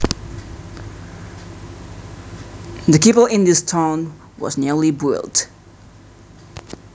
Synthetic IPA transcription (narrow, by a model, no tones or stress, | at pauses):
ðəkipəlˠɪ̃nðɪstʰãʊ̃n | wɔ̰znilibṵlˠd